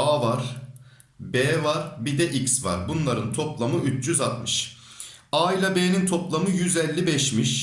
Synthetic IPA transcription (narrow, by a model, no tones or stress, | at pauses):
aːvaɾ̥ | bɛːvaɾbid̪ɛʔicsva̰ɾbunlˠaɾɯnt̪ʰo̞plˠamɯyt͡ʃjyzat̪̚mɯʃ | aːilʲˠabeːnint̪ʰo̞plˠamɯjyzɛlʲːibɛʃmiʃ